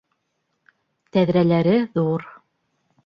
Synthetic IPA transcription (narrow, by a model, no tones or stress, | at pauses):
t̪æðɾælæɾɘðuɾ